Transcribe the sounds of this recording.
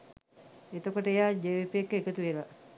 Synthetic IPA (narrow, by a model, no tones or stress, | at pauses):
et̪əkoʈəejaːd͡ʒeʋipekːəekət̪uʋela